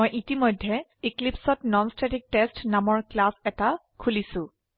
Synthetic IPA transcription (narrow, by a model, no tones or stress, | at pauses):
ojʔitimɔjdʱːɛiklipsɔtnɔnstetik̚tɛstnamɔɹklasɛta | kʰulisʊ̃